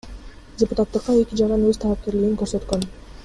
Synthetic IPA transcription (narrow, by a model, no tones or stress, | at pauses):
dʲɪpʊt̪at̪ːɯqːɑe̞kʲid͡ʒɑɾɑnøz̥t̪ʰɑlˠɑp̚ke̞ɾliɡiŋkøɾsø̞t̪køn